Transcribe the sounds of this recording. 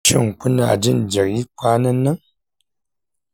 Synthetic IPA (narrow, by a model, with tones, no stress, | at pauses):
t͡ʃḭ˦˨ŋ˨ku˦na̰˨d͡ʒi˦˨n̩˨d͡ʒə˨k̚ji˦kʷa˦nɐ˦nɨ˦ŋ